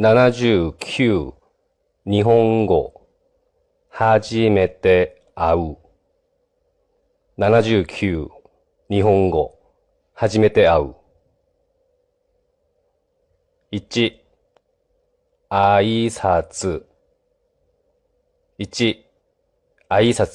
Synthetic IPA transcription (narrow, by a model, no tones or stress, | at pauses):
nanaʑɨːkʲʰɨː | ɲ̟iɦõ̞ŋɡo̞ | haʑime̞t̪e̞ | aɯ | nanaʑɨːkʲʰɨː | ɲ̟iɦõ̞ŋɡo̞ | haʑime̞t̪e̞aɯ̰ | it͡ɕi | aisat͡sɨ | it͡ɕi | aisat͡s